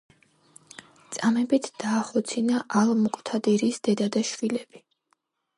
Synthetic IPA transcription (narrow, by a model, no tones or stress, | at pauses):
t̪sʼamɛbit̪ʰd̪̥aːχɔt̪sʰinaʔalˠmukʼt̪ʰad̪iɾisd̪ɛd̪ad̪aʃvilɛb̥i